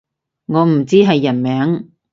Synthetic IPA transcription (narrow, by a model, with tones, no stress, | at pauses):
ŋɔː˨˧m̩˨˩t͡siː˥ɦɐ˨jːɐ˨˩nmɛː˨˥ŋ